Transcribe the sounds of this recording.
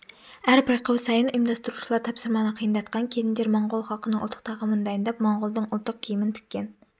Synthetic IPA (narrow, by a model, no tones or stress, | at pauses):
æɾpʰɑjqʰɑwsɑjɨnʔimd̪ɑst̪uɾuʃlˠɑɾt̪ʰɑpsɨɾmɑnəqʰijɨnd̪ɑt̪qʰɑnkʲʰelɪnd̪eɾmɑɴʁolˠχɑlˠqənɨŋʊlˠt̪ʰːə̥q̪̚t̪ʰɑʁɑmnd̪ɑjnd̪ɑpmɑɴʁʊlˠd̪ɨŋʊlˠt̪ʰːʊq̚kʲʰijɪmɪnt̪ʰy̥k̚ʲːen